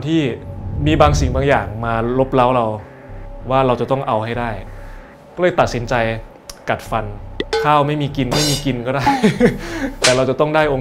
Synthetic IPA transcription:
nt̪ʰiː˥˩miː˧baː˧ŋsi˨˩ŋbaː˧ŋjaː˨˩ŋmaː˧lo˦˥p̚la˦˥wɾa˧w | waː˥˩ɾa˧wt͡ɕa˨˩t̪ɔ˥˩ŋʔa˧wha˥˩jdaː˥˩j | kɔː˥˩lɤː˧jt̪a˨˩t̪̚si˩˦nt͡ɕa˧j | ka˨˩t̪̚fa˧nkʰaː˥˩wma˥˩jmiː˧ki˧nma˥˩jmiː˧ki˧nkɔː˥˩daː˥˩j | t̪ɛː˨˩ɾa˧wt͡ɕa˨˩t̪ɔ˥˩ŋdaː˥˩jʔoː˧

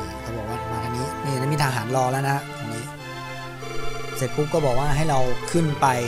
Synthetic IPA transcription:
kʰa˧buː˨˩t̚waː˥˩˨maː˧t̪ʰaː˧niː˦˥niː˥˩˨na˥˩˨miː˧t̪ʰaː˧ɦaː˩˦nlɔː˧la˦˥˩na˦˥t̪ʰa˧niː˦˥ | seː˧t̪̚ku˦˥p̚kːɔː˥˩bɔː˨˩k̚waː˥˩ɦa˥˩jɾa˧wkʰɯ˥˩npa˧j

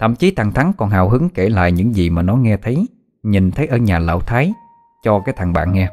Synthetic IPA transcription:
t̪ʰə̰˧˨mt͡ɕi˨˦t̪ʰa˨˩ŋt̪ʰa˨˦ŋkɔ˨˩nɦaː˨˩wɦɨ˨˦ŋke˧˩la̰ː˧˨jɲɨ̰˧˥ŋzi˨˩maː˨˩nɔ˨˦ŋɛ˧t̪ʰə˨˦j | ɲi˨˩nt̪ʰə˨˦jʔəː˧ɲaː˨˩la̰ː˧˨wt̪ʰaː˨˦j | t͡ɕɔ˧kaː˨˦jt̪ʰa˨˩ŋɓa̰ː˧˨nŋɛ˧

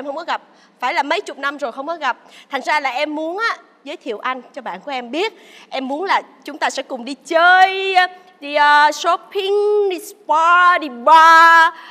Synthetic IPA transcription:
ʔɛ˧mhxə˧wŋ͡mkɔ˨˦ɣa˨˩p̚ | faː˧˩jlaː˨˩mə˨˦jt͡ɕʊ˨˩k͡p̚na˧mzo˨˩jxə˧wŋ͡mkɔ˨˦ɣa˨˩p̚t̪ʰa˨˩ŋ̟zaː˧laː˨˩ʔɛ˧mːu˨˦ənʔaː˨˦ | zəː˨˦jt̪ʰḭ˧˨əwʔa˧jŋ̟t͡ɕɔ˧ɓa̰ː˧˨nku˧˩əʔɛ˧mɓi˦˥ət̚ | ʔɛ˧mːu˨˦ənlaː˨˩ | t͡ɕʊ˨˦ŋ͡mt̪aː˧sɛ̰˧˥kʊ˨˩ŋ͡mɗi˧t͡ɕəː˧j | ɗi˧ʔəː˨˧˩so˨˦pʰi˧ŋɗi˧spa˧ɗi˧ɓa˧˩

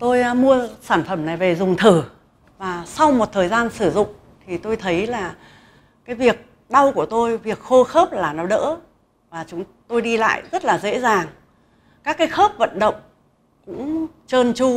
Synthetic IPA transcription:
t̪o˧jmu˧əsaː˧˩nfə˧˩mna˨˩jve˨˩zʊ˨˩ŋ͡mt̪ʰɨ˧˩ | vaː˨˩sa˧wmo˨˩t̚t̪ʰəː˨˩jzaː˧nsɨ˧˩zʊ̰˧˨ŋ͡m | t̪ʰi˨˩t̪o˧jt̪ʰə˨˦jlaː˨˩ | kaː˨˦jvi˨˩ək̚ | ɗa˧wku˧˩ət̪o˧jvi˨˩ək̚xo˧xəː˦˥p̚laː˨˩nɔ˨˦ɗə̰ː˧˥ | vaː˨˩t͡ɕʊ˨˦ŋ͡m | t̪o˧jɗi˧la̰ː˧˨jzə˦˥t̚laː˨˩zḛ˧˥zaː˨˩ŋ | kaː˦˥kːaː˨˦jxəː˦˥p̚və̰˧˨nɗə̰˧˨wŋ͡m | kʊ̰˧˥ŋ͡mt͡ɕəː˧nt͡ɕu˧

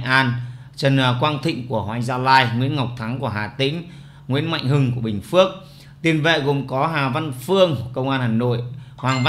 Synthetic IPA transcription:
ʔaː˧n | t͡ɕə˨˩nː˨˩kwaː˧nt̪ʰḭ̈˧˨ŋ̟ku˧˩əhwaː˧˩ŋzaː˧laː˧jŋwḭ˧˥ənŋa˨˩wk͡p̚t̪ʰa˨˦ŋku˧˩əɦaː˨˩t̪ï˨˦ŋ̟ | ŋwḭ˧˥ənma̰˧˨jŋ̟ɦɨ˧ŋku˧˩əɓï˨˩ŋ̟fɨ˦˥ək̚ | t̪i˧ənvḛ˧˨ɣṵ˨˩mkɔ˨˦ɦaː˨˩va˧nfɨ˧əŋkə˧wŋ͡mʔaː˧nhaː˨˩jno̰˧˨jhwaː˨˩ŋva˧

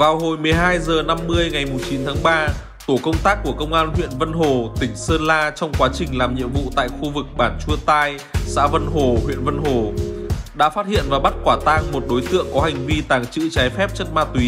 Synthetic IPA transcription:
vaː˨˩wɦo˧˨˩jmɨ˨˩əjɦaː˧jzəː˨˩na˧mːɨ˧əjŋa˨˩jmu˨˩t͡ɕi˨˦nt̪ʰaː˨˦ŋɓaː˧ | t̪o˧˩kə˧wŋ͡mt̪aː˦˥k̚ːu˧˩əkə˧wŋ͡mʔaː˧nhwḭ˧˨ənvə˧nɦo˨˩t̪ï˧˩ŋ̟səː˧nlaː˧t͡ɕɔ˧wŋ͡mkwaː˨˦t͡ɕï˨˩ŋ̟laː˨˩mɲḭ˧˨əmvṵ˧˨t̪a̰ː˧˨jxu˧vɨ˨˩k̚ɓaː˧˩nt͡ɕu˧ət̪aː˧j | sa̰ː˧˥və˧nɦo˨˩hwḭ˧˨ənvə˧nɦo˨˩ɗa̰ː˧˥faː˦˥t̚hḭ˧˨ənvaː˨˩ɓa˦˥t̚kwaː˧˩t̪aː˧ŋmo˨˩t̚ɗo˨˦jt̪ɨ̰˧˨əŋkɔ˨˦ha˨˩jŋ̟vi˧t̪aː˨˩ŋt͡ɕɨ̰˧˥t͡ɕaː˨˦jfɛ˦˥p̚t͡ɕə˦˥t̚maː˧t̪wi˨˦

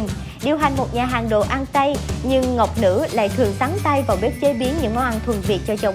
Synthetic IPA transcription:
ɗi˨˩əwɦa˨˩jŋ̟mo˨˩t̚ɲaː˨˩ɦaː˨˩ŋɗo̰˧˨ʔa˧nt̪a˧jɲɨ˧ŋːə˨˩wk͡p̚nɨ̰˧˥la̰ː˧˨jt̪ʰɨ˨˩əŋt̪a˨˦ŋt̪a˧jvaː˨˩wɓi˦˥t̚t͡ɕe˨˦ɓi˨˦ənɲɨ̰˧˥ŋːɔ˨˦ʔa˧nt̪ʰwə˨˩nvi˨˩ət̚t͡ɕɔ˧t͡ɕə˨˧˩w

